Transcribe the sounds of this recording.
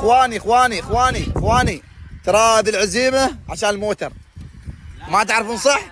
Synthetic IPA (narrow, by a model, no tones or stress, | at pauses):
xwaːniɪxwaːniʔɪxwaːniʔɪxwaːnit̪ɾˤɑːd̪ɪlʕaziːmaʕaʃaːnəlmoːt̪ɑɾˤ | mat̪aʕɾfnsˤɨħ